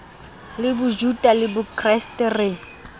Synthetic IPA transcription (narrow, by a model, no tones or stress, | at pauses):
lɪbʊd͡ʒutʼalɪbʊkʰʼrɛstɛrɪ